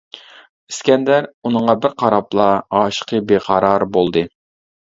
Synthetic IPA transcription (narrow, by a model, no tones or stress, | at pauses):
i̥skʲɛnd̪æɾunɨŋʁɑbɪɾqʰɑɾɑplˠɑɑːʃə̥qʰəbeqʰɑɾɑɾbolˠd̪ɨ